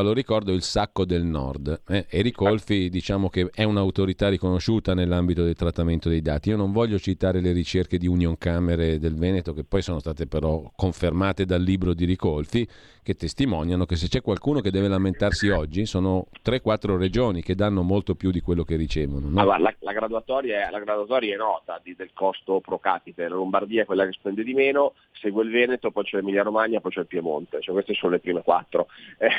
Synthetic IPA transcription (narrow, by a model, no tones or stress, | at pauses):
loɾikɔrd̪oilsakːod̪elnɔ̰rd̪ɛeɾikolfid̪it͡ʃaːmok̟eɛunaut̪oɾit̪arːikonoʃuːt̪anelːambit̪od̪elt̪ɾat̪ːament̪od̪ejd̪aːt̪iiːonoɱvɔʎːot͡ʃit̪aːɾeleɾit͡ʃerked̪iunjoŋkameɾed̪elvɛːnet̪okepːɔjsoːnost̪aːt̪epeɾɔkoɱfermaːt̪ed̪alːiːbɾod̪iɾikolfi | k̟et̪ːest̪imɔnjanokes̬et͡ʃːɛkːwalkuːnok̟ed̪ɛːvelament̪arsiɔd͡ʒːisoːnot̪ɾɛkːwat̪ːɾored͡ʒoːniked̪anːomolt̪opjud̪ikwelːokerit͡ʃɛːvononɡwa̰ɾalalaɡɾad̪uat̪ɔːɾjaɛlaɡɾad̪uat̪ɔːɾjaɛnːɔːt̪ad̪id̪elkɔst̪opɾokaːpit̪elalombard̪iːaɛkwelːakespɛnd̪ed̪imeːno | sɛːɡweilvɛːnet̪opɔjt͡ʃɛlemilːaɾomanjapɔjt͡ʃɛlpjemo̰nt̪et͡ʃɛkwest̪esoːnolepɾiːmekwa̰t̪ːɾoɛ